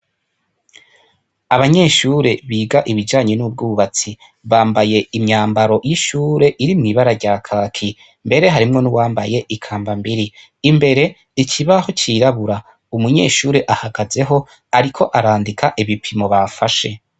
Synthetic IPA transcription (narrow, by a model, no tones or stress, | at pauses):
aβaɲe̞ːʃuɾe̞βiːɡaʔiβid͡ʒaːɲe̞nub̚ɡuːβat͡si | βaːmbaje̞imɲaːmbaɾo̞jiʃuːɾe̞ʔiɾimŋiːβaɾaɾɟaːkʰaːkʰi | mbe̞ɾe̞ɦaɾimŋo̞nuwaːmbaje̞ʔikʰaːmbambiɾiː | mbe̞ɾe̞ | icʰiβaho̞t͡ʃiɾaβuɾa | umuɲe̞̰ːʃuːɾe̞ʔahaɡaze̞ɦo̞ | aɾikʰo̞ʔaɾaːndikʰaʔiβipʰimo̞βafaʃe̞